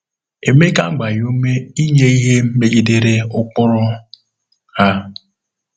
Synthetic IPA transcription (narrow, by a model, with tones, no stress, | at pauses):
e˨me˦ka˦ɡ͡ba˨ju˦me˦i˦ɲe˦i˦ɦe˦m̩˦me˦ɡi˦de˦ɾe˦ʊ˦k͡pʊ˦ɾʊ˦ | ha˦